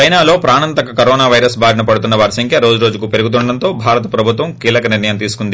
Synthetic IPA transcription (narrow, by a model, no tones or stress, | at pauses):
t͡ʃɐjnaːlo̞ːpɾaːnɐnt̪ɐkɐkɐɾɔːnaːʋɐjɾɐsbʱaːɾɐnɐpɐɽut̪unːɐʋaːɾisɐŋkʰjɐɾo̞ːd͡ʒuɾo̞ːd͡ʒukuːpe̞ɾuɡut̪̬uɳɖɐɽɐnt̪o̞ːbʱaːɾɐt̪ɐpɾɐbʱut̪ʋɐmkiːlɐkɐniɾnɐjɐmt̪iːsu̥kund̪i